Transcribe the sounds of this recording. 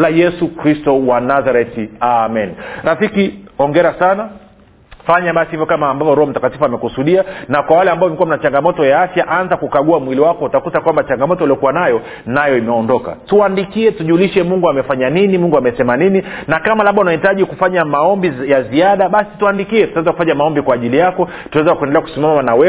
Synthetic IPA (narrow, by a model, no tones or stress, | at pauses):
lajɛsukɾistɔwanazaɾɛtiamɛnɾafikiɔŋɡɛɾasana | faɲaɓasihivjɔkamaːmbavɔɾɔhɔm̩takatifuamɛkusuɗianakwawalɛambaɔmɛkuwam̩nat͡ʃaŋɡamɔtɔjaafjaʔanzakukaɡuamwiliwakɔutakutakwambat͡ʃaŋɡamɔtɔiliɔkuwanajɔ | najɔimɛɔndɔka̰tuandikiɛtuʄuːliʃɛmuŋɡuamɛfaɲaninimuŋɡuamɛsɛmanininakamalaɓaunahitaʄikufaɲamaɔmbijaziaɗaɓasi̥tuandikiɛtutawɛzaku̥faɲamaɔmbikwaːʄilijakɔ | tuawɛzakuɛndɛlɛaku̥simamamanawɛ